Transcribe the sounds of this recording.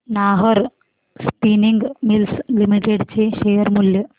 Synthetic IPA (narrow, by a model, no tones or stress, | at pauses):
naːɦɐɾ | spiniŋɡmilslimiʈeɖt͡ɕeːʃejɐɾmuljɐ